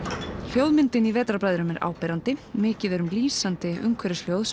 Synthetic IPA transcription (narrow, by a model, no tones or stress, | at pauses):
l̥jowðmɪnt̪ɪnivɛːt̪ɾaɾpɾajðɾʏmɛɾʔa̰ːwpɛːɾant̪ɪmɪːcɪðɛɾʏmliːsant̪ɪʔʏ̰ŋkʰvɛɾɪsljowðs